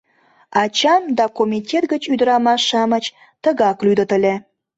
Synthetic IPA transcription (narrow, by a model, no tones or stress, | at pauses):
ɑt͡ɕɑmd̪ɑkomʲitʲet̪ɡət͡ɕyd̪əɾɑmɑʃɑmət͡ɕ | t̪əɣɑklyd̪ət̪əlʲe